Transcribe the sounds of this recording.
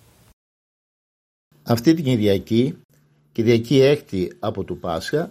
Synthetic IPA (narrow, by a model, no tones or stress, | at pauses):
ɐft̪it̪iɟiðiɐci | ciðʝɐciext̪iɐpo̞t̪upɐskɐ